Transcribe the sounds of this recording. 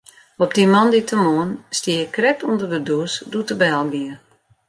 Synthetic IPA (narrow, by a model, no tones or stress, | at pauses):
ɔp̚dimɔnditʰəmoːənstiəəkrɛk̚tundərdəduəsdutəbɛlˠɡiə